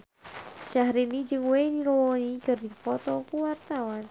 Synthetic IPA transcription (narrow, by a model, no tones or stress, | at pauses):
ʃaɦɾinid͡ʒɨŋwejniɾɔwɔnikɨrdipɔt̪ɔpuwart̪awan